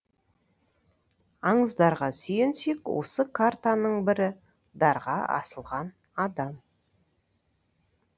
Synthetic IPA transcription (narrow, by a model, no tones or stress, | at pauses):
ɑɴəzd̪ɑɾʁɑsʏjense̞kwo̞̰səkʰart̪anəɴbɪɾɪ | d̪ɑɾʁɑɑ̰səlˠʁɑn | ɑd̪ɑm